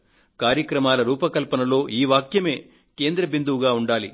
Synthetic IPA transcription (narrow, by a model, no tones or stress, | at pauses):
kaːɾjɐkɾɐmaːlɐɾuːpɐkɐlpɐnɐlo̞ːʔiːʋaːkjɐme̞ː | ke̞ːnd̪ɾɐbind̪uʋuɡaːuɳɖaːli